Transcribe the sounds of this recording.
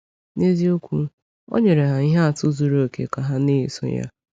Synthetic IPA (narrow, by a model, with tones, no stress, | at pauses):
ne˦zi˦o˦kʷu˦ | o̰˦ɲe˨ɾe˨ɦa˨i˦ɦa˦a˨tʊ˦zu˦ɾo˦˨kḛ˨ka˨ɦa˦ne˦i˨sʊ̰˦ja̰˦